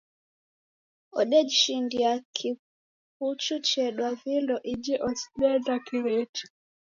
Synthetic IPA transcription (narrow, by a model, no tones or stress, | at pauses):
ɔ̰ɗɛd͡ʒiʃindiakʰi | put͡ʃut͡ʃɛɗwavilɔʔid͡ʒɛʔɔsi̥lɛdakiɾɛt͡ʃu̥